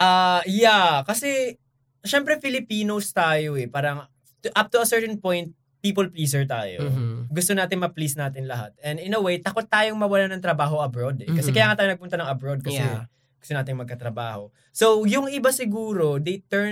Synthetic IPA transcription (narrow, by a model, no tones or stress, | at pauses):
ʔɐjakɐsɛ | ʃɛmpɾɛfɪlɪpiːnost̪aːjoɛpaːɾɐŋ | t̪ʔap̚t̪uɐsɛɹt̪ɛnpõjnt̪̚ | piːpolpliːsɛɹt̪a̰ːjo̰ɡʊst̪onaːt̪ɪŋmɐplisnaːt̪ɪnlɐɦa̰t̪ɛ̃nd̪ɪnɐwejt̪ɐko̞t̪ːaːjoŋmɐwɐlanɐŋt̪ɾɐbaːɦo̞ʔɐbɾod̪ɛkkɐsɛkɐjaːŋaːt̪aːjoɐɡ̚pʊnt̪ɐnɐŋɐbɾod̪̚kɐsɛ | ɡʊ̥st̪onaːt̪ɪŋmɐɡ̚kɐt̪ɾɐba̰ːho̞̰ | sowjʊŋɪbasɪɡuːɾo̞d̪ejt̪ɛɹ